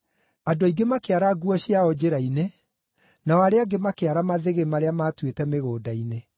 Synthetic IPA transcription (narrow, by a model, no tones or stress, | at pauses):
adoaiɡemakeaɾaɡuɔɕiaɔd͡ʑeɾaine | naɔaɾeaɡemakeaɾamaðeɣemaɾeamaːtwetɛmeɣoːdaine